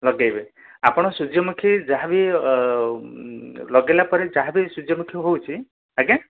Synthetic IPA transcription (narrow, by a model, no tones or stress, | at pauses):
lɔɡejbe | apɔɽ̃ɔsud͡ʒjɔmukʰid͡ʒaɦabi | lɔɡelapɔɾed͡ʒaɦabisud͡ʒjɔmukʰjɔɦowt͡ʃʰi | aɡe